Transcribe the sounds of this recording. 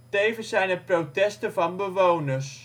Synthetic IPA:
tejvəsɛjnəprotɛstəvɑnbəʋownərs

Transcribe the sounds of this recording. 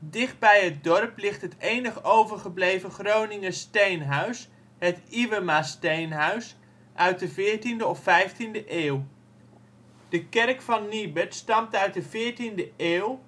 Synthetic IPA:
dɪχd̚bɛjɦət̚dɔrplɪχtɦətejnəχəowvəɹχəblejvəχrownɪŋəstejnɦœɥs | ɦətiʋəmastejnɦœɥs | ʔœɥt̚dəvɪːɹtindəɔfɛjftindəʔeːw | d̥əkɛrkfɑnːibətstɑmtœɥt̚dəvɪːɹtindəeːwˠ

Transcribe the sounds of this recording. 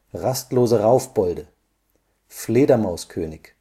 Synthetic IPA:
ʁastloːzəʁaʊfb̥ɔldə | fleːdɐmaʊskʰøːnɪç

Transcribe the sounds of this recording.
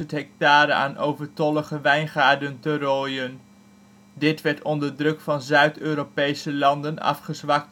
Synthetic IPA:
ətɦɛk̚taːɾəa̰ːnʔowvəɹtɔləχəʋɛjnχaːɹdəntəroːjən | dɪtʋɛɹtɔndəɹdrɵkfɑnzœɥtøːropejsəlɑndənɑ̰fχəzʋɑk̚t

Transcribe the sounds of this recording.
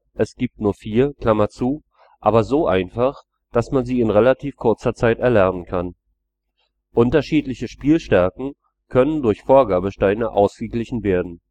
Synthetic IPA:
ʔɛsɡ̥iːp̚tnuːɐfiːɐkl̥amɐt͡suː | ʔaːbɐzoːʔa̰ɪnfaχ | d̥asmanziːɪnʁelatʰiːfkʰʊɐt͡sɐt͡saɪtɛɐlɛɐnənkʰan | ʔʊntɐʃiːtlɪçəʃpiːlʃtɛɐkŋ̩ | kʰœnəndʊɐçfoːɐɡaːbəʃtaɪnəʔa̰ʊsɡ̥əɡlɪçn̩veːɐdn̩

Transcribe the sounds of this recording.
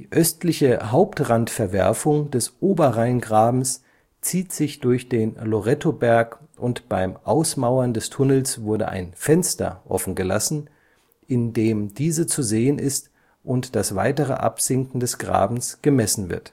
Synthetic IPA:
d̥iːʔœstlɪçəɦaʊptʁantfɛɐvɛ̰ɐfʊŋd̥ɛsʔoːbɐʁaɪnɡʁaːbm̩s | t͡siːtz̥ɪçd̥ʊɐçd̥eːnloʁɛtʰobɛɐkʔʊntb̥aɪmʔaʊsmaʊɐndɛstʰʊnəl̩sv̥ʊɐdə̰ʔa̰ɪnfɛnstɐ̰ʔɔ̰fn̩ɡəla̰sn̩ | ʔɪndeːmdiːzət͡suzeːənʔɪst | ʔʊntd̥asv̥a̰ɪtəʁ̞ə̰ʔa̰pz̥ɪŋkŋ̩dɛsɡ̥ʁa̰ːbm̩sɡ̥əmɛsn̩vɪ̰ɐt

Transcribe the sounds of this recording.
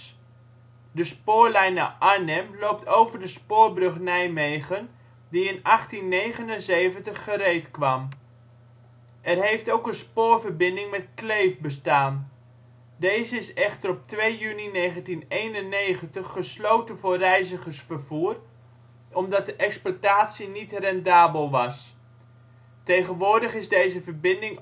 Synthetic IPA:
dəspʊːɹlɛjna̰ʔanɛmlowp̚tʰowvəɹdəspʊːrbrɵχnɛjmejχən | diɪnɑχtinːejχənənzejvəntəχːəɾejtkʋɑm | ɛrɦejftowkənspoːɹvərbɪndɪŋmɛtklejfbəstaːn | dejzəɪsɛχtəɾɔp̚tʋejjyninejχəntinejnənːejχəntəχːəslowtənvʊːrɛjzəχəɹsfəɹvuːr | ɔmdɑt̚dəʔɛksplataːtsinitrɛndaːbəlˠʋɑs | tejχənʋʊːɹdəχɪzdejzəvəɹbɪndɪŋ

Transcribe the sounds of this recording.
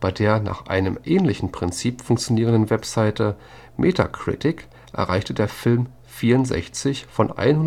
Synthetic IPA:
b̥aɪdeːɐna̰ːχʔa̰ɪnəmʔɛːnlɪçn̩pʁ̥ɪnt͡siːpfʊŋkt͡sjoniːʁəndən̩vɛpz̥aɪtə | mʔḛːtʰa̰kʁ̥ɪ̰tɪk | ʔɛ̰ɐʁaɪçtədeːɐfɪlm | fiːɐʊntz̥ɛ̰çt͡sɪçfɔnʔa̰ɪnhʊ

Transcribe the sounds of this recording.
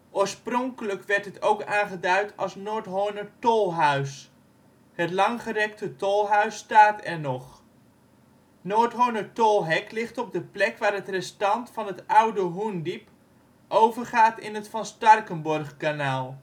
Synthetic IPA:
ʔoːɹsprɔŋkələkʋɛɹtɦətowkaːnχədœɥtʰɑlˠsnoːɹtɦonəɹtolˠɦœɥs | hətlɑŋχərɛktətolˠɦœɥstaːtɛɹnɔχ | noːɹtɦonəɹtolˠɦɛklɪχtɔb̚dəplɛkʋaːrɦətrɛstɑntfɑnɦətʌwdəɦundip | ʔowvəɹχaːtɪnɦətfɑnstɑrkənbɔrχkanaːlˠ

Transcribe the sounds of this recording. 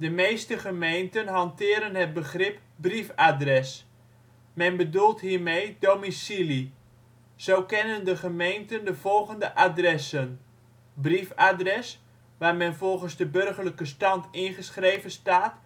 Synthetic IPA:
dəmejstəχəmejntənɦɑntɪːɾənɦət̚bəχrɪp | brifadrɛs | mɛnbədulˠtɦiːrmejdomisili | sowkɪnəndəχəmejntəndəv̥ɔlˠɣəndəʔadrɛsən | brifadrɛs | ʋaːrmɛnvɔlˠχənzdəbørχərləkəstɑntɪnχəsχrejvənstaːt

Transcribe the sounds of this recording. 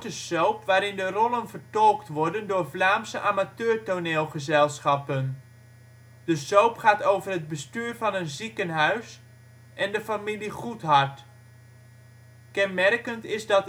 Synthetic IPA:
təsowpʋaːɾɪndərɔlˠənvərtɔlˠktʋɔɹdəndʊːɹvlaːmsəʔaːmatøːɹtoneːlˠχəzɛlˠsχɑpən | d̥əsowpχaːtowvərɦəd̚bəstyːrvɑnənzikənɦœɥs | ʔɛndəfamiliχutɦɑrt | kɛnmɛrkəntɪzdɑt

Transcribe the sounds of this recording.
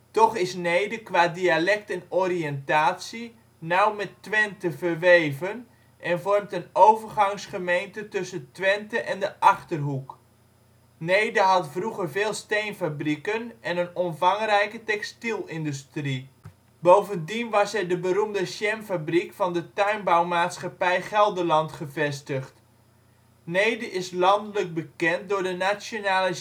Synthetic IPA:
tɔχɪsnejdəkʋaːdialɛk̚tɛnɔriəntaːtsi | nawmɛtːʋɛntəvərʋejvən | ʔɛnvɔrmtənowvərɣɑŋsχəmejntətɵsəntʋɛntəʔɛndəʔɑχtərɦuk | nejdəɦɑtfruχərveːlˠstejnfabrikənɛnənɔmvɑŋrɛjkətɛkstilˠɪndystri | bowvəndinʋɑsɛdəbəɾumdəsjɛmfabrikfɑndətœɥnbawmaːtsχɑpɛjχɛlˠdərlɑntχəvɛstəχt | nejdəʔɪslɑndələk̚bəkɛnt̚dʊɹdənasjonaːlə

